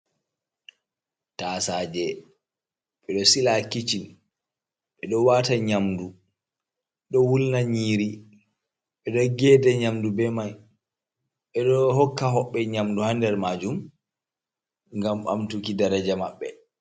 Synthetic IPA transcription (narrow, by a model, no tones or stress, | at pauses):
tasaːd͡ʒɛ | ɓɛɗɔsilakit͡ʃin | ɓɛɗɔwaːtaɲamdu | ɓɛɗɔwulnaɲiːɾi | ɓɛɗɔɡɛːdɛɲamdubɛman | ɓɛɗɔhɔkːaɦɔɓːɛɲamduhandɛɾmad͡ʒum | ŋɡama̰mtukidaɾad͡ʒamaɓːɛ